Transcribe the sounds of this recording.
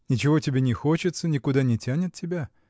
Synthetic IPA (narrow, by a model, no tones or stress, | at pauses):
nʲɪt͡ɕɪvo̞tʲɪbʲenʲɪxo̞t͡ɕɪt̪sənʲɪkʊd̪anʲɪtʲænʲɪt̪̚tʲɪbʲa